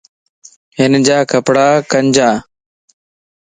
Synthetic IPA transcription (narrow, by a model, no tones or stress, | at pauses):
ɦɪnd͡ʒaːkəpɽaːkəɲd͡ʒaː